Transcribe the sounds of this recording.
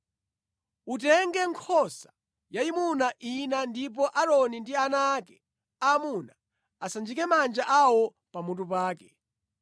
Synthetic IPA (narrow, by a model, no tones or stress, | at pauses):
ut̬ɛŋɡɛŋkʰɔsḁ | jaimunaʔinandip̬ɔʔaɾɔnindianaːkɛ̥ | amuna | asand͡ʒikɛmand͡ʒaʔawɔ | pamut̬upaːkɛ